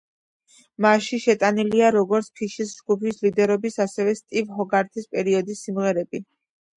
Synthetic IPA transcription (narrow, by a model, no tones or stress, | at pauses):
maʃiʃɛt̪ʼaniliaɾɔɡɔɾt̪sʰpʰiʃisd͡ʒɡupʰislid̪ɛɾɔbisasɛvɛst̪ʼivɦɔɡaɾt̪ʰispʼɛɾiɔd̪isːimʁɛɾɛbi